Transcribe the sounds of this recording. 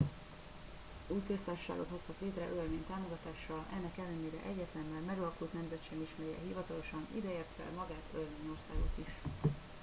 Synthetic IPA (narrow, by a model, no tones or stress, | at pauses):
uːjkø̞st̪aːrʃo̥ʃa̰ːɡo̞t̪ho̞st̪ɒkleːt̪rɛʔølmeːɲt̪aːmo̞ɡɒt̪aːʃɒlɛ̰nːɛkɛlːɛneːɾɛ̰ʔɛɟːɛt̪lɛmɛlmɛɡɒlɒkult̪nɛmzɛt̪ʃɛmiʃmɛɾjɛ̰ɦivɒt̪ɒlo̞ʃɒnḭd̪ɛeːrt̪fɛ̰lmɒɡaːt̪ølmeːɲo̞rsaːɡo̞̰t̪iʃ